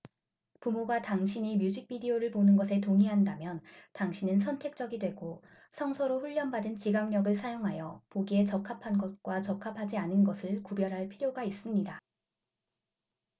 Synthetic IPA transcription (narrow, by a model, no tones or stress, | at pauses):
pumoɡataŋɕʰiɲimjud͡ʑik̚p͈idioɾɯɭponɯnɡʌsʰe̞toŋiɦandamjʌntaŋɕʰinɯnsʰʌntʰe̞k̚t͡ɕ͈ʌɡidwe̞ɡo | sʰʌŋsʰʌɾoɸuʎːʌnbadɯnt͡ɕiɡaŋɲʌɡɯɭsʰajoŋɦajʌpoɡie̞t͡ɕʌkʰapʰanɡʌt̚k͈wat͡ɕʌkʰapʰad͡ʑianɯnɡʌsʰɯɭkubjʌɾɦaɭpʰiɾjoɡais͈ɯmɲida